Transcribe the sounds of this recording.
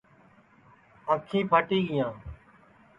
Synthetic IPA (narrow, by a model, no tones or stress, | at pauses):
əkʰĩːpəʈiːɡɪjãː